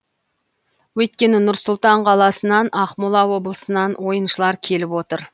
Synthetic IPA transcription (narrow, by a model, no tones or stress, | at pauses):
wɵt̪̚kʲe̞nɪnʊɾsʊlˠt̪ɑɴqʰɑlˠɑsənɑnɑχmulˠɑwo̞blˠəsənɑnwo̞jənʃəlˠɑɾkʲʰe̞lɪpwo̞t̪əɾ